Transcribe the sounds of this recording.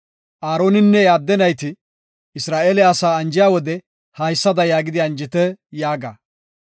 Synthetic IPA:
ʔaːɾo̞ːnɪnːɛjaːd̪ːɛnɐjt̪ɪ | ɪsɾaːʔeːlɛɐsaːɐnd͡ʒɪjaːwɔd̪ɛ | hɐjsːɐd̪ɐjaːɡɪd̪ɪɐnd͡ʒɪt̪ɛjaːɡa̰ː

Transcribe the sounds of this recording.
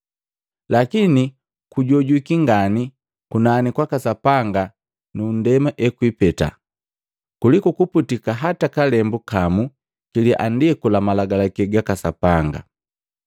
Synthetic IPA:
lakini | kuɟɔɟwikiŋɡani | kunanikwakasapaŋɡa | nundɛmaʔɛkwipɛta̰ | kulikukuputikaɦatakalɛmbukamu | kiliʔa̰ndɛkulamalaɡalakɛɡakasapaŋɡa̰

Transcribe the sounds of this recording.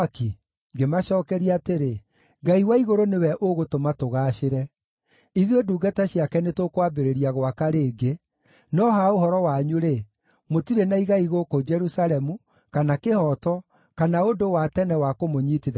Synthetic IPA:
ki | ŋɡemaʃɔːkɛɾiaːteɾe | ɡaiwaiɣoɾonewɛʔoɣotomatoɣaːʃeɾɛ | iðioduːɡataɕiakɛnetokwabeɾeɾiaɣwakaɾeːɡe | nɔɦaohɔɾɔwaɲuɾe | motiɾenaiɣaiɣokod͡ʒɛɾusaɾɛmu | kanakehɔtɔ | kanaondowatɛnɛwakomoɲiːtið

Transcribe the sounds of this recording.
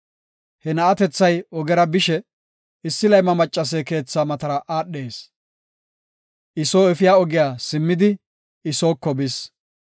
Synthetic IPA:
hɛnɐɐt̪ɛt͡sːɐjɔɡɛɾɐbɪʃɛ | ɪsːɪlɐjmɐmɐt͡ʃʼːɐs̬ɛke̞ːt͡sːaːmɐt̪ɐɾɐʔaːɗːe̞ːs | ʔɪso̞ːɛfɪjaːɔɡɪjaːsɪmːɪd̪ɪ | ɪso̞ːkːɔbɪs

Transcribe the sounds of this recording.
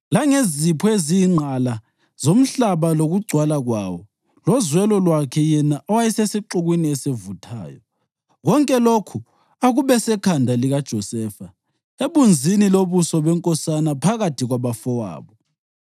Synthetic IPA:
laŋezipʰɔeziːŋ͡ǀʱala | z̥om̩ɬaβaloɣuɡ͡ǀʱwalaɣwa̰wɔ | lɔzwɛlɔlwakʰɛjɛnaʔɔwajisesiǃuɣwiniɛsevutʰa̰ːjɔ̰ | ɣɔŋkʼɛlokʰu | aɣuβɛsɛkʰandʱaliɣad̥ʒ̥ʱɔsɛːfa | eβund͡zʱiniloβusɔβɛŋkʼɔsanapʰaɣatʰiɣwaβafɔwa̰ːβɔ

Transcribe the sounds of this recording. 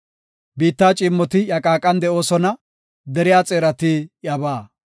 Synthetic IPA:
biːt̪ːaːt͡ʃʼɪmːɔt̪ɪjɐkʼaːkʼɐnd̪ɛo̞ːsɔnɐ | d̪ɛɾɪjaːt͡sʼeːɾɐt̪ijɐbaː

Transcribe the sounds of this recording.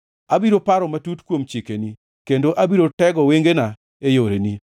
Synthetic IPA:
abiɾopaɾɔmatutkwomt͡ʃikeni | kendoʔabiɾotɛɡɔweŋɡena | ejoɾeni

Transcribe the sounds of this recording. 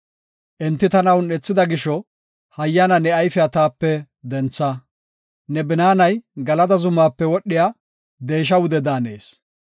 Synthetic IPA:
ʔɛnt̪ːɪt̪ɐnɐwnɛt͡sːɪd̪ɐɡɪʃɔ | hɐjːɐnɐnɛɐjfɪɐt̪aːpːɛ | d̪ɛnt͡sːɐ | nɛbɪnaːnɐjɡɐlɐd̪ɐzʊmaːpːɛwɔɗːɪjaː | d̪eːʃ̬ɐwʊd̪ɛd̪aːneːs

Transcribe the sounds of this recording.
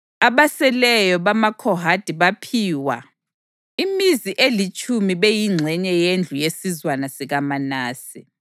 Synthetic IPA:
aβasɛlɛjɔβamakʰɔɦad̥ʱiβapʰiːwa̰ | imiziʔelit͡ʃʼumiβejiŋ͡ǀʱɛɲɛjend͡ɮʱujesizwanasiɣamanaːsi

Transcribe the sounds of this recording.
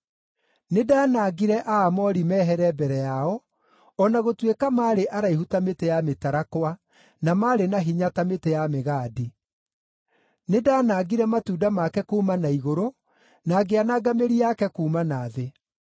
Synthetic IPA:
nedaːnaɡiɾɛʔaːmɔɾimɛːɦɛɾɛbɛɾɛjaɔ | ɔnaɣotwekamaːɾeʔaɾaihutametejametaɾakwa | namaːɾenaɦiɲatametejameɣaːdi | nedaːnaːɡiɾɛmatuːdamakɛkuːmanaiɣoɾo | naːɡeanaɡameɾiakɛkuːmanaːðe

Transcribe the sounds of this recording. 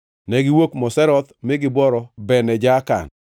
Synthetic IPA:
nɛɡɪwokmɔsɛɾɔt̪mɪɡɪbɔɾɔbɛnɛd͡ʒaka̰n

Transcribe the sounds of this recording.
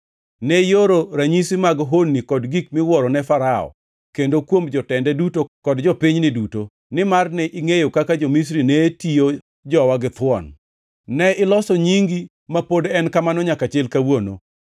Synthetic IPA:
nɛjoɾoɾaɲisimaɡɦonːikɔdɡik̚mɪwɔɾɔnɛfaɾaɔ̰ | kendokwomd͡ʒɔtɛndɛdutokɔdd͡ʒɔpɪɲnɪduto | nɪmarnɛʔiŋejokakad͡ʒomis̬ɾinɛtijo | d͡ʒɔwaɡɪt̪wɔn | nɛɪlɔsɔɲiŋɡi | mapodɛnkamanɔɲakat͡ʃɪlkawono̰

